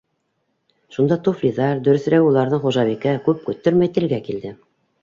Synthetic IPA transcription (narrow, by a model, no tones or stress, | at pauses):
ʃund̪ɑt̪uflʲiðɑɾd̪ɵ̆ɾɵ̆θɾæwulˠɑɾðɤɴχuʒɑβikækʉp̚kɵ̆t̪ːɵɾmæjt̪ɘ̆ɾɡækild̪ɘ